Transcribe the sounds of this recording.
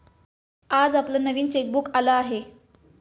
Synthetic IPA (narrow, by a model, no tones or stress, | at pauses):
ad͡zaplənəʋiːnt͡ɕek̚bukalaaɦe